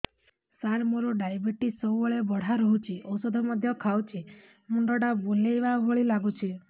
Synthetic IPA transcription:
saɾmoɾoɖajbeʈisɔwɔɭebɔɽ̤aɾɔɦut͡ʃʰiʔɔwsɔd̪ʱɔmɔd̪ʱjɔkʰawt͡ʃʰi | muɳɖɔɽaboleʋabʱoɭilaɡut͡ʃʰi

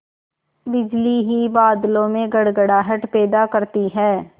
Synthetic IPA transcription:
bɪd͡ʒliɦibaːd̪lõmẽɡɐɽɡəɽaɦɐʈpɛːd̪akɐɾt̪iɦɛː

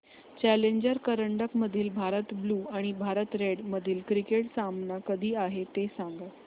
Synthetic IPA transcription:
t͡ɕæleɲd͡ʑəɾkəɾəɳɖəkməd̪ʱiːlbʱaɾət̪bluːaɽ̃ibʱaɾət̪ɾeɽməd̪ʱiːlkɾikeʈsamnakəd̪ʱiːaɦet̪esaŋɡə

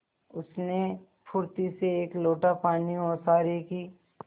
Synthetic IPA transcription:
ʊsne | pʰʊɾt̪iseeːkloːʈapaːniosaːɾekiː

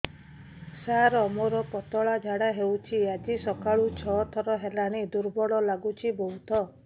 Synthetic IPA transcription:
saɾɔmoɾɔpɔt̪ɔɭad͡ʒʱaɽaɦewt͡ʃʰiad͡ʒisɔkaɭut͡ʃʰɔt̪ʰɔɾɔɦelaɽ̃id̪uɾbɔɽɔlaɡut͡ʃʰibɔɦut̪ʰɔ

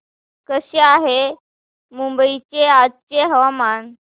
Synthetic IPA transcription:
kəɕeaɦe | mumbəit͡ɕead̚t͡ɕeɦəʋaman

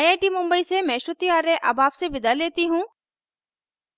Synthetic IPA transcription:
ɐjeːʈimʊ̃mbəisemɛ̃ːʃʊt̪ijaːɾẽʔɐ̰baːpsebɪd̪aleːt̪iɦũː

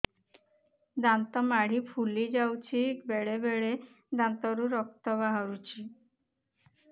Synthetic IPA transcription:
d̪ant̪ɔmaɽ̤ipʰulid͡ʒawt͡ʃʰibeɭebeɭe | d̪ant̪ɔɾuɾɔk̚t̪ɔβaɦɔɾut͡ʃʰi

